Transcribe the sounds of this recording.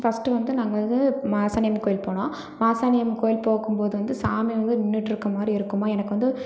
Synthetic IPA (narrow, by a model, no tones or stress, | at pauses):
fɐsʈɯʋɐnd̪ɯnaːŋɡɐʋɐnd̪ɯmaːsaːnɐjɐmkoːjɪlpoːɳõː | maːsaːnɐjɐmkoːjɪlpoːɣɯmpoːðɯʋɐnd̪ɯsaːmiʋɐnd̪ɯɪnːɯʈːɪɾɯkːɐmaːd̪ɾiɪɾɯkːɯmaːɛnɐkːɯʋɐnd̪ɯ